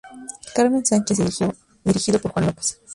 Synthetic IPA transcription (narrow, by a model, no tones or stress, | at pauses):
kaɾmensant͡ʃez | d̪iɾixiðopoɾkwand̪opḁsḁ